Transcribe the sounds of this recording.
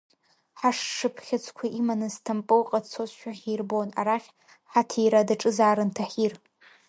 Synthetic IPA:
ħaʂʂɨpʰχʲat͡sʷʰʼkʷʰaʔimanɨztʰampʼɨwqʼadt͡sʰozʃᶣaχʲejrbona̰ɾaχʲ | ħatʰijɾadaʈ͡ʂʼɨzaːɾɨntʰaħir

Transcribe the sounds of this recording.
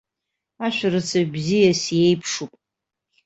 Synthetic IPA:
aʃʷᶣarɨt͡sʰabzijasjejpʰʂupʼ

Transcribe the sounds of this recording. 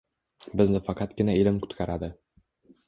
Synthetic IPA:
bɪznɪfɑqʰɑt̪ɡʲɪnaɪlɪmkʰʊ̥t̪kʲʰaɾad̪ɪ

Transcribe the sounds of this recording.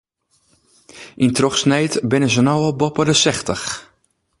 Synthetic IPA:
intrɔxsnɛjtbɪnəzənɔwəbɔpədəsɛxtəx

